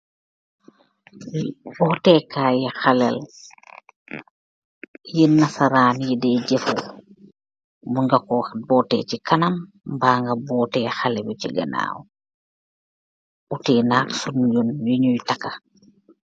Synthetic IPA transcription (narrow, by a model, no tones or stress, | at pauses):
bɔːtɛkaːjixɐlɛ̰l | jinːɐsɐɾaːnjidɛɟefu | muŋɡɐkɔbɔːtɛ̰ːt͡ʃikɐnɐm | baːŋɡɐbɔːtɛːxɐlɛbuciɡɐ̰na̰ːw | utiːnaːksunjunjuɲujtɐkːɐ